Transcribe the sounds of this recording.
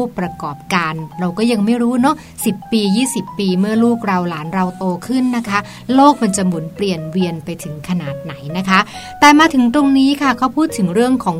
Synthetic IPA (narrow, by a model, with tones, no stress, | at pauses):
pɾa˧kɔː˨˩p̚kaː˧nɾa˧wkɔː˥˩ja˧ŋma˥˩jɾuː˦˥nɔ˦˥ | si˨˩pːiː˧jiː˥˩si˨˩pːiː˧mɯ˥˩ɐluː˥˩k̚ɾa˧wlaː˩˦nɾa˧wt̪oː˧kʰɯ˥˩nːa˦˥kʰa˦˥ | loː˥˩k̚ma˧nt͡ɕa˨˩mu˩˦npli˨˩ənwi˧ənpa˧jt̪ʰɯ˩˦ŋkʰa˧naː˨˩t̪̚na˩˦jna˦˥kʰa˦˥t̪ɛː˨˩maː˧t̪ʰɯ˩˦ŋt̪o˧ŋniː˦˥kʰa˥˩kʰa˦˥˩wpʰuː˥˩t̪ʰːɯ˩˦ŋɾɯ˥˩əŋkʰɔː˩˦ŋ